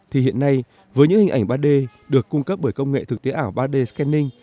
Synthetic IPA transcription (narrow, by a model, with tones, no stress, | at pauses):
t̪ʰi˨˩hḭ˧˨ənːa˧j | vəː˨˦jɲɨ̰˧˥ŋhï˨˩ŋ̟ʔa˧˩ŋ̟ɓaː˧ɗe˧ | ɗɨ˨˩əkːʊ˧ŋ͡mkə˦˥p̚ɓəː˧˩jkə˧wŋ͡mŋḛ˧˨t̪ʰɨ˨˩k̚t̪e˨˦ʔaː˧˩wɓaː˧ɗe˧skɛ˧nːï˧ŋ̟